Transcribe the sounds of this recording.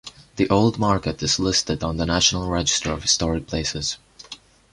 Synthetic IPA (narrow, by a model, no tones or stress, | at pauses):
ðiʔoʊlˠd̚mɑɹkɨɾɨz̥lɪstɨdn̩ðənæʃənl̩ˠɹɛd͡ʒɨstə˞ʌv̥hɨ̥stɔɹɨk̚pʰl̥eɪsɨz̥